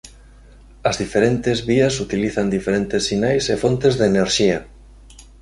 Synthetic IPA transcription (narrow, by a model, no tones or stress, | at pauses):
ɐzðifeɾent̪ɪzβiɐsut̪iliθɐnd̪ifeɾent̪esːinajsefont̪ezðeneɾʃiɐ